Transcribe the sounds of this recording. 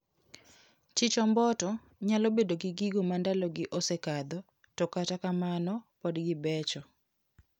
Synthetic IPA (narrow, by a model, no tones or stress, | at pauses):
t͡ʃɪt͡ʃɔmbɔtɔ | ɲalobedoɡɪɡiɡomandalɔɡɪʔosekad̪ɔ | tɔkatakamanɔpɔdɡɪbɛt͡ʃɔ